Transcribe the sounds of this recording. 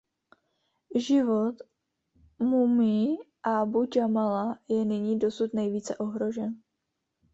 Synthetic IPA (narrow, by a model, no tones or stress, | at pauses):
ʒɪvo̞t̪ | mumiː | ʔabuɟʒamalajɛnɪɲiːdo̞sut̪nɛjviːt͡sɛʔo̞ɦɾo̞ʒɛn